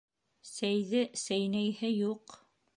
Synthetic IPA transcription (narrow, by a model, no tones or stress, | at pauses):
sæjðɘsæjnæjhɘjuq